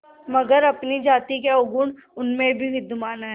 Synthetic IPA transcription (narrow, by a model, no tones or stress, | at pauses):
mɐɡəɾɐpnid͡ʒaːt̪ikeʊɡʊɳ | ʊnmẽbʱiɦɪd̪ʊmaːnaɦɛ